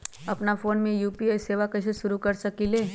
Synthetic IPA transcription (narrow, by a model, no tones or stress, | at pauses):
əpnafoːnmẽjuːpiajseʋakəʃeʃʊɾukəɾʃəkile